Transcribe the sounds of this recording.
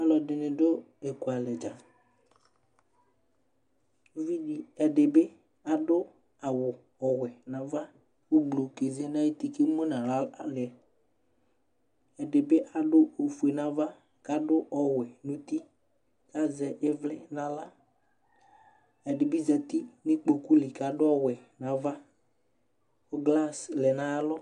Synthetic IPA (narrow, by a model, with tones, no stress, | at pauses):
a˦lɔ˨dɪ˨nɪ̃˨dʊ˦ | e˨ku˨a˨lɛ˨d͡ʒa˨˦ | vi˦di˨ɛ˨ɖɪ˨bɪ˦ | a˨dʊ˦ | a˨wʊ˨ | ɔ˨wɛ˨nã˨va˦ | wʊ˦ɡ͡blo˨ke˨ze˦nã˦je˦t̪i˨ke˦mo˦nã˨la˦a˨lɪ˨ɛ˨ | ɛ˨dɪ˨bɪ˦ʔa˨dʊ˦o˨fu˨e˨nã˨va˦ | ka˨dʊ˦ʔɔ˨wɛ˨nʊ̃˨t̪i˦ | ka˦zɛ˨ʔɪ˦vlɪ˦nã˨la˦ | ɛ˨dɪ˨bi˦zɛ˨t̪i˦nɪ˦k͡po˨ku˦lɪ˨ka˨dʊ˦ɔ˦wɛ˨nã˨va˦ | ʊ˦ɡla˦slɛ˨nã˨˦lɔ˦